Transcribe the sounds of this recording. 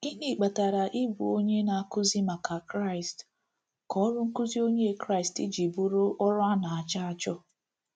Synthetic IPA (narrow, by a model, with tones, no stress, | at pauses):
i˦ni˨k͡pa˨ta˨ɾa˨ʔi˦bṵ˨o˦ɲe˦na˨a˦˨kʊ˦zi˦ma˨ka˨kɾa˦˨ɪ˨st | kɔ˦ɔ˦ɾʊ˦ŋ̩˦kʊ˦zi˦o˦ɲe˦˨kɾa˦˨stḭ˦d͡ʒi˨bu˦ɾʊ˦ʔɔ˦ɾʊ˦a˦na˨a˨t͡ʃa˦a˦t͡ʃɔ˦